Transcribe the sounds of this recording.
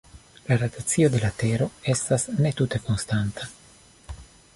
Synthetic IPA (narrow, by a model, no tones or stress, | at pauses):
laɾat̪at͡siod̪e̞lat̪eɾo̞est̪asne̞t̪ut̪eko̞nst̪ant̪a